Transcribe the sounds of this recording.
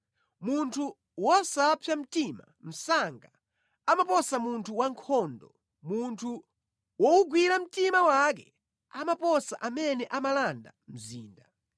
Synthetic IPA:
muntʰu | wɔsapʰjam̩tima̰ | m̩saŋɡa | amapɔsamuntʰuwaŋkʰɔndɔ | muntʰu | wɔuɡwiɾam̩timawak̬ɛ | amapɔsaʔamɛnɛʔamalanda̰m̩ziːnda

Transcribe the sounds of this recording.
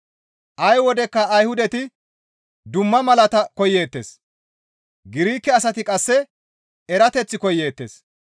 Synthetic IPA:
ʔɐjwɔd̪ɛkːɐːjhʊd̪ɛt̪ɪ | d̪ʊmːɐmɐlɐt̪ɐkɔjːe̞ːt̪ːeːs | ɡɪɾiːkːɛɐs̬ɐt̪ɪkʼɐsːɛ | ɛɾɐt̪ɛt͡sːɪkɔjːe̞ːt̪ːe̞̰ːs

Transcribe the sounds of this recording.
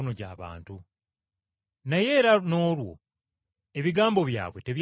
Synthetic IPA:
noɟa̰ːβa̰ːntu | naje̞ːɾano̞ːlwo̞̰ | e̞βiɡaːmbo̞βja̰ːβwe̞te̞βj

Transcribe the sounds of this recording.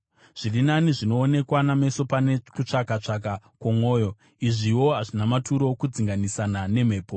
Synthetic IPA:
ʐ̥irinaniʐino̞ːne̞kwaname̞so̞panekut͡ʂakat͡ʂak̬akwomo̞ːjo̞ | iʐiwo̞ɦaʐinamatuɾo̞kud͡ziŋɡanisanane̞m̤e̞ːpo

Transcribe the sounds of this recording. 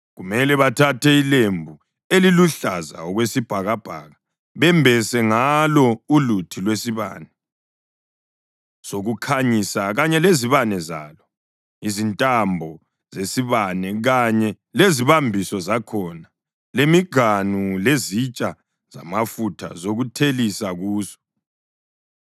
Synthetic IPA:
ɣumɛlɛβatʰatʰɛilembʱu | eliluɬaza̰ɔɣwesib̥ʱaɣab̥ʱa̰ɣa | βɛmbʱɛsɛŋalɔulutʰilwesiβa̰ːnɛ | soɣukʰaɲisaɣaɲɛleziβanɛza̰ːlɔ | izintʼambʱɔ | zesiβanɛɣaɲɛ | leziβambʱisɔzakʰɔna | lemiɡ̥ʱanulezit͡ʃʼa | z̥a̰mafutʰa̰zoɣutʰelisaɣuːzɔ̥

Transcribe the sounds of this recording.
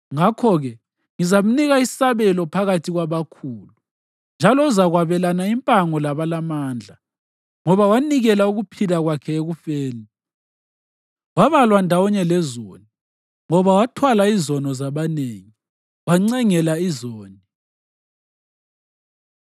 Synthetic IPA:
ŋakʰɔɣɛ | ŋizam̩niɣaisaβɛlɔpʰaɣatʰiɣwaβakʰuːlu | nd͡ʒʱalɔuzaɣwaβɛlanaimpʼaŋɔlaβalamaːnd͡ɮʱa | ŋɔβawaniɣɛlauɣupʰilaɣwakʰɛeɣufeːni | waβalwandʱawɔɲɛlɛzo̰ːni | ŋɔβawatʰwalaizɔnɔzaβaneːŋi | waŋ͡ǀɛŋɛlaizoːni

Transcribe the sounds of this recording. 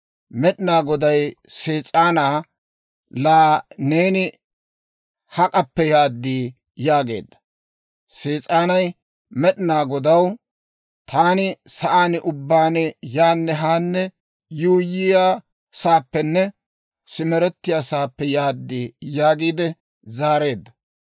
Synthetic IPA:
mɛɗɪnaːɡɔd̪ɐjseːt͡sʼaːnaː | laːneːnɪ | hɐkʼɐpːɛjaːd̪ːiː | jaːɡe̞̰ːd̪ːɐ | seːt͡sʼaːnɐj | mɛɗɪnaːɡɔd̪ɐw | t̪ʰaːnɪsɐʔaːnɪʔʊbːaːnɛjaːnːɛɦaːnːɛ | juːjɪjaː | saːpːɛnːɛ | sɪmɛɾɛt̪ːɪjaːsaːpːɛjaːd̪ːiːjaːɡiːd̪ɛ | zaːɾe̞ːd̪ːɐ

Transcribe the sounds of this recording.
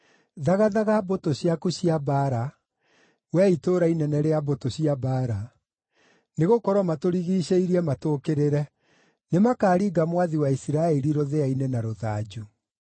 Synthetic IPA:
ðaɣaðaɣabotoɕjakuɕiabaːɾa | wɛitoːɾainɛnɛɾeabotoɕiabaːɾa | neɣokɔɾwɔmatoɾiɣiːɕeiɾiɛmatoːkeɾeɾɛ | nemakaːɾiːɡamwaðiwaisiɾaɛɾiɾoðeainɛnaɾoða̰ːd͡ʑu

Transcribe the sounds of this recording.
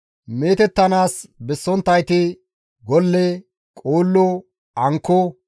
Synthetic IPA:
meːt̪ɛt̪ːɐnaːsbɛsːɔnt̪ːɐjt̪ɪ | ɡɔlːɛ | kʼoːlːɔ | ɐŋkːɔ

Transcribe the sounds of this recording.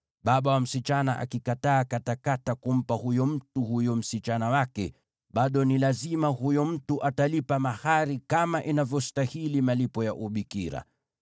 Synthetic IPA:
ɓaɓawam̩sit͡ʃanaʔa̰kikataːkatakatakum̩pahujɔm̩tuhujɔm̩sit͡ʃanawakɛ̰ | ɓaɗɔnilazimahujɔm̩tuʔatalipamahaɾikamaʔinavjɔstahilimalipɔjaʔuɓikiɾa̰

